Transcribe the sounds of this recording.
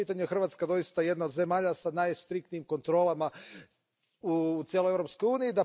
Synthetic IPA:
it̪aɲuexr̩ʋaːt̪skad̪o̞jist̪aje̞d̪naod̪ze̞maːʎasanajst̪ɾik̚t̪nijimko̞nt̪ɾo̞lˠama | ut̪ʲjelojeɾopsko̞juːniid̪a

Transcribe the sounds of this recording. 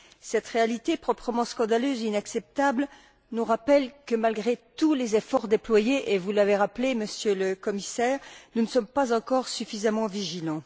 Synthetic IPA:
sɛt̪ʁealit̪epχɔpχəmɑ̃skɑ̃d̪aløzinaksɛp̚t̪abl | nuʁapɛlkəmalɡʁet̪ulezefɔʁd̪eplwajeʔevulaveʁapleməsjøləkɔmisɛːʁnunəsɔmpazɑ̃kɔʁsyfizamɑ̃viʒilɑ̃

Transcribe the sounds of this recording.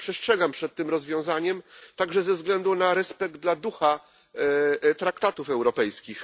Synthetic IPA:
pʂɛstʂɛɡampʂɛt̪̚ːɘmɾɔzvʲjɔ̃w̃zaɲɛmt̪aɡʐɛzɛvzɡlɛnd̪unaɾɛspɛɡ̚d̪̚d̪lad̪uxa | t̪ɾakt̪at̪ufɛwɾɔpɛjskʲix

